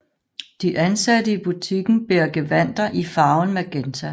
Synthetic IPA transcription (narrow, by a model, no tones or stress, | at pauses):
d̥iʔænsædəib̥ut͡sʰiɡ̥n̩b̥eɐ̰ɡ̥e̝ʋæn̰d̥ɐʔifɑ̈ːʊnmeɡ̥ent͡sʰæ